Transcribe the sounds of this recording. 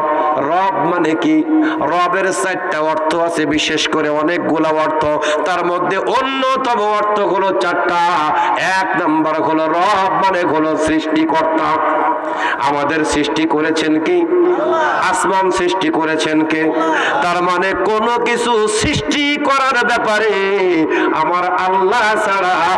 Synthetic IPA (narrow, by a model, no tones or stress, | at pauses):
ɾɔbmaneki | ɾɔbeɾsajʈʈaɔɾt̪ʰoasʰebiʃeʃkoɾeɔnek̚ɡulaɔɾt̪ʰo | t̪aɾmod̪ʱːeʔonːot̪ɔmoɔɾt̪ʰoɡulot͡ɕaɾʈːa | ɛknambaɾɦoloɾɔbmaneɡʱolosɾiʃʈikɔɾt̪a | a̰mad̪eɾsɾiʃʈikoɾet͡ɕʰenki | asmansɾiʃʈikoɾet͡ɕʰenke | t̪aɾmanekonokit͡ɕʰusɾiʃʈi | kɔɾanobɛpaɾi | amaɾalːa | saɽa